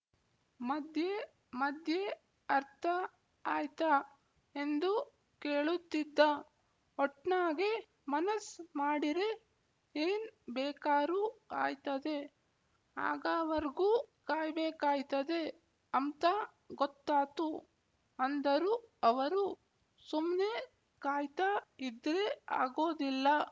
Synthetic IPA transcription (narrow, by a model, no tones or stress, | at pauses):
mɐd̪ʱje | mɐd̪ʱje | ɐɾt̪ʰɐ | aːjt̪a | end̪u | keːɭut̪ːid̪ːa | ɔʈɳaːɡe | mɐnɐsmaːɽiɾe | eːnbɛːkaːɾua̰ːjt̪ɐd̪e̞ | a̰ːɡaːʋɐɾiɡuːkaːjbɛːkaːjt̪ɐd̪e̞ | ɐnt̪a | ɡɔt̪ːaːt̪u | ɐnd̪ɐɾuɐʋɐɾu | sumne̞ | kaːjt̪aːid̪ɾea̰ːɡo̞ːd̪ilːɐ